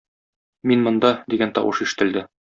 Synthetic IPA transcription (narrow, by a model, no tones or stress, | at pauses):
minmŏnd̪ɑd̪iɡænt̪ɒ̰wʔɤ̰ʃiʃɘ̥̆t̪ɘ̆ld̪ɘ